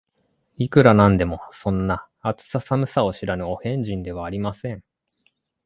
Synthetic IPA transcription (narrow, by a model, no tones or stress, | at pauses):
ikɯ̟ɾanãnd̪e̞mo̞sõ̞nːaː | t͡sɨ̥sasamɯ̟sao̞ɕiɾanɯ̟ohẽ̞ɲ̟d͡ʑĩnd̪e̞β̞aːɾʲimasẽ̞ɴ